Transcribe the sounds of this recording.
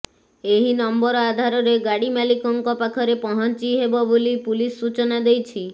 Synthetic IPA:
eɦinɔmbɔɾɔad̪ʱaɾɔɾeɡaɽimalikɔŋkɔpakʰɔɾepɔɦɔnt͡ʃiɦebɔbolipulisːut͡ʃɔnad̪ejt͡ʃʰi

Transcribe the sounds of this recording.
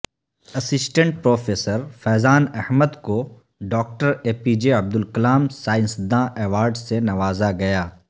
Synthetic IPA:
ɐsɪsʈə̃ɳʈ̚pɾoːfʰeːsəɾfɛːzaːnɛhməd̪ko | ɖɔːk̚ʈəɾeːpid͡ʒeɐb̚d̪ʊlkɐlaːmsaːɪ̃nsd̪ãʔɛːʋaːɾɖsenɐʋaːzaɡɐjaː

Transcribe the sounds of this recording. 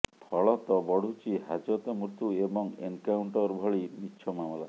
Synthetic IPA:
pʰɔɭɔt̪ɔbɔɽ̤ʱut͡ʃiɦad͡ʒɔt̪ɔmuɾt̪uebɔŋḛnkawɳʈɔɾbʱɔɭinitːʃʰɔmamɔla

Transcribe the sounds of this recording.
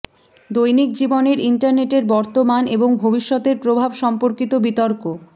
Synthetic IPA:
d̪ojnik̚d͡ʑiboneɾiɳʈaɾneʈeɾbɔɾt̪omaneboŋbʱobiʃːɔt̪eɾpɾobʱabʃɔmpoɾkit̪obit̪ɔɾko

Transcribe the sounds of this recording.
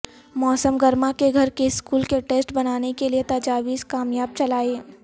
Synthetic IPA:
mɔːsəmɡɐɾmakeɡʱɐɾkeɪskuːlkeʈeːsʈbɐnaːnekeliet̪ɐːd͡ʒaːʋiːskaːmjaːb̚t͡ʃɐlaːeː

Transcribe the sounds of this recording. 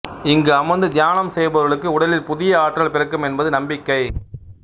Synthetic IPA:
ɪŋɡɯɐmɐnd̪ɯd̪ɪjaːnɐmsɛjbɐɾɣɐɭɯkːɯʊɽɐlɪlpʊðɪjɐaːʈrɐɭpɪɾɐkːɯmɛnbɐðɯnɐmbɪkːɐɪ

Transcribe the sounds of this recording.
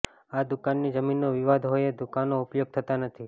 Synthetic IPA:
ad̪ʊkanːid͡ʒəminːoʋiʋad̪ʱɦojed̪ʊkanoʊpjoɡ̚t̪ʰət̪anət̪ʰi

